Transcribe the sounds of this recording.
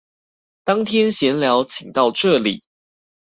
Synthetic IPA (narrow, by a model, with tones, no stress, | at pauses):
t̪ɑ˥ŋt̪ʰjɛ˥nɕjɛ˧˥nljɑ˧˥ʊt͡ɕʰi˨˩ŋt̪ɑ˥˧ʊʈ͡ʂɤ˥˨lḭ˨˩˦